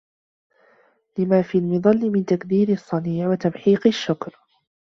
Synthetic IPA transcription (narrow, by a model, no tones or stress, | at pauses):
lɪmaːfiːlmɪðˤɑlːɪmɪnt̪akd̪iːɾsˤːɑniːʕwat̪amħiːqɪʃːʊkɾ